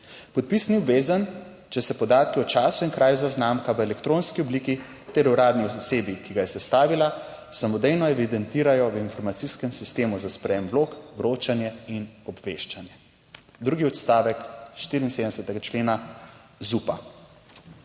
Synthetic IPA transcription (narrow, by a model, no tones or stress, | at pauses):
pɔt̪̚pisniubʋeːzan | t͡ʃɛsɛpɔd̪aːt̪̚kiɔt͡ʃaːsuinkɾaːjuzaznaːmkaʋəɛlɛkt̪ɾoːnskiɔbliːki | t̪ɛɾuɾaːd̪niɔɔseːbikiɡajɛsɛst̪aːʋila | samɔd̪ɛjnɔɛʋid̪ɛnt̪iːɾajɔʋinfɔɾmat̪siskɛmsist̪eːmuzaspɾɛjemʋloːkʋɾoːt͡ʃanjɛinɔbʋeʃt͡ʃanjɛ | d̪ɾuɡiɔt̪st̪aːʋɛkʃt̪iːɾinsed̪əɛsɛt̪ɛɡat͡ʃleːnazupa̰